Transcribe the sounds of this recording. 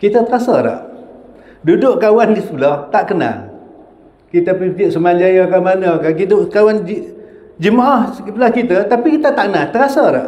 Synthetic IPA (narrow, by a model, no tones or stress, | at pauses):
kit̪ət̪əɾasaɾa̰ʔ | dudʊʔkawanɡisəpəlɔht̪aʔkəna̰l | kit̪apikiʔsəmad͡ʒajakamanəkakit̪əkawand͡ʒ | d͡ʒəmaʔahskipəlahkit̪ət̪apikit̪ət̪aʔkənat̪əɾasaɾa̰ʔ